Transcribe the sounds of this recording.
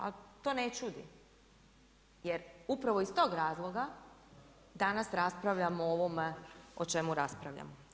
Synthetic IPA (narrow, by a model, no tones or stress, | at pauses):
a̰t̪o̞net͡ʃud̪ḭ | jeɾupɾaʋo̞ist̪o̞ːɡɾaːzlˠoɡa | d̪anasɾaspɾaʋʎamooʋomeot͡ʃe̞muɾaspɾaʋʎa̰mo